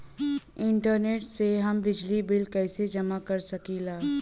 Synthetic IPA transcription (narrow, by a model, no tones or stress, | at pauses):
ɪɳʈəɾneːʈseɦɐmbɪd͡ʒlibɪlkɛːsed͡ʒɐmakɐɾsɐkiːlaː